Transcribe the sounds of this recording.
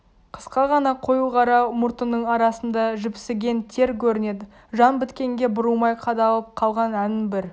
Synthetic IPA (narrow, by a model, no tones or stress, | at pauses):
qʰə̥sqɑʁɑnɑqʰo̞juʁɑɾɑmʊɾt̪ənːəɴɑɾɑsənd̪ɑʒʏpsɪɡʲe̞nt̪ʰe̞ɾkʲʰɵɾɪne̞d̪ɪ | ʒɑnbɪt̪kʲe̞ŋɡʲe̞bʊɾumɑjqʰɑd̪ɑlˠəp̚qʰɑlˠʁɑnænɪŋbɪɾ